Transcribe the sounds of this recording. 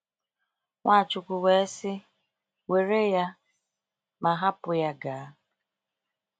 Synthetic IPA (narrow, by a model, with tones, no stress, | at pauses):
ŋʷa˦˨t͡ʃʊ˨kʷʊ˨we˨e˦sɪ˦ | we˨ɾe˦ja˦ | ma˨ɦa˦pʊ˨ja˦ɡaː˨a˦